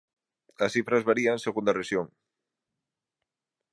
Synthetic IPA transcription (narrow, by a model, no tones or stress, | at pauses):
ɐsθifɾɐzβaɾianseɣund̪ɐreʃjoŋ